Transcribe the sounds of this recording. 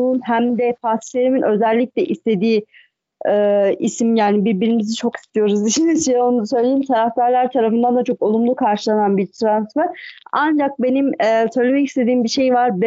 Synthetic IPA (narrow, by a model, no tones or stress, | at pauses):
uːnɦæmd̪ɛpʰasʃleɾiminʔø̞zɛlʲːiclʲɛʔist̪ʰe̞d̪iː | ɛːisimjaːnibiɾbiɾimizit͡ʃʰo̞ki̥st̪ʰijo̞ɾuzd̪iʃʰinizʃio̞nud̪asø̞jlʲejimt̪ʰaɾafd̪aɾlˠaɾt̪ʰaɾafɯnd̪and̪at͡ʃʰo̞ko̞lˠumlˠukʰaɾʃɯlˠananbiɾt̪ʰɾansfæɾand͡ʒak̚be̞nimɛsø̞jlʲe̞mɛcist̪ʰe̞d̪iːmbiʃe̞jvaɾb